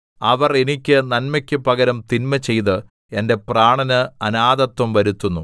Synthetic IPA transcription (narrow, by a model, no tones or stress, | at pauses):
ɐʋɐre̞nikʲːɨnɐnmɐkʲːɨpɐɡɐɾɐmt̪inmɐt͡ɕːe̞jt̪ɨ | e̞nde̞praːɳɐnɨɐnaːd̪ɐt̪wɐmʋɐɾut̪ːunːu